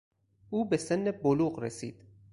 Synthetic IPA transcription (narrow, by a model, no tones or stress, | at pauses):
ʔuːbesenːeboluːɢɾesiːd̪̥